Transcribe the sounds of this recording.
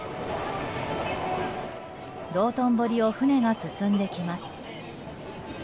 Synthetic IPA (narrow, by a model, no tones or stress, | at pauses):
d̪o̞ːt̪õ̞mbo̞ɾʲio̞ɸɯne̞ɡasɨsɨ̃nd̪e̞kʲimasɨ̥